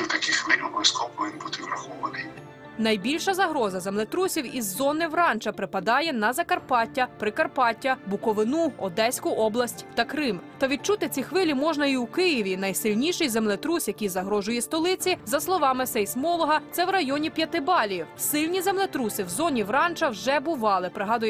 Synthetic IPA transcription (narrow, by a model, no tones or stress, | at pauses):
t̪ɐkʲɪxʋɪlʲɔbˠɪskɔpɔʋɪnbut̪ɪʋɾɐxɔʋɐnɪj | nɐjbʲilʲʃɐzɐɦɾɔzɐzemlˠet̪ɾusʲiwizːɔnɪʋɾɑnt͡ʃɐpɾɪpɐd̪ɑjɛnɐzɐkɐrpɑtʲːɐpɾɪkɐrpɑtʲːɐbʊkɔʋɪnuɔd̪ɛsʲkʊʔɔblˠɐsʲtʲt̪ɐkɾɪmt̪ɐʋʲid̪̚t͡ʃut̪ɪt͡sʲixʋɪlʲimɔʒnɐiwkɪjiʋʲinɐjsɪlʲnʲiʃɪjzemlˠɛt̪ɾusjɐkʲijzɐɦɾɔʒʊjɛst̪ɔlˠɪt͡sʲizɐslˠɔʋɑmɪsɛjsmɔlˠɔɦɐt̪sɛwɾɐjɔnʲipʲjɐt̪ɪbɑlʲiiwsɪlʲnʲizemlˠet̪ɾusɪwzɔnʲiʋɾɑnt͡ʃɐwʒɛbʊʋɑlˠɪpɾɪɦɑd̪ʊjɛ